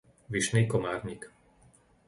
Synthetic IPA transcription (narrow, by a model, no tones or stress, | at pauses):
ʋiʃniːkɔmaːɾɲik